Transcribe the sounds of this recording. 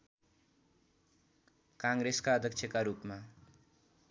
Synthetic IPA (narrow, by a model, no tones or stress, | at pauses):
kãŋɡɾeskaʌd̪ʱjʌkt͡sʰekaɾupma